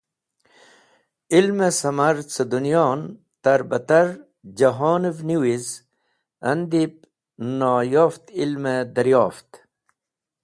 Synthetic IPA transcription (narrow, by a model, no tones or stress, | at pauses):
ilmesɐmɐɾt͡səd̪unijoːn | t̪ɐɾbɐt̪ɐɾ | d͡ʑɐɦoːnəvniwiz | ɐnd̪ip̚ | noːjoːft̪ilmed̪ɐɾjoːft̪